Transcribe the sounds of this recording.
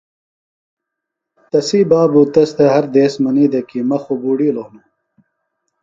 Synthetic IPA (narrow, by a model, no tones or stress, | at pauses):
t̪ɐsiːbaːbut̪ɐst̪ɐɦɐɾd̪eːsmɐniːd̪ɐkimɐxobuːɽiːloːnu